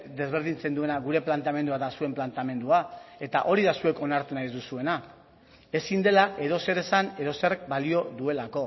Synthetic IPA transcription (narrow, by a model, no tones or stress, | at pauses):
d̪e̞zβ̞e̞ɾðint͡se̞nd̪ue̞naɣuɾe̞plant̪ame̞nd̪uaðasue̞mplant̪ame̞nd̪uae̞t̪aʔo̞ɾiðasue̞ko̞naɾt̪unajzd̪usue̞na | e̞sind̪e̞laʔe̞ðo̞se̞ɾe̞sane̞ðoserek̚balio̞ðue̞lako̞